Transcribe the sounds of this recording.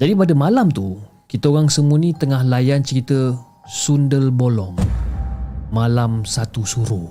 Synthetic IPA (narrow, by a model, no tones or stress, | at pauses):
d͡ʒadipadəmalamt̪u | kit̪əoɣaŋsəmunĩt̪əŋahlajant͡ʃəɾit̪ə | sundəlbolɔŋ | malamsat̪usuɾu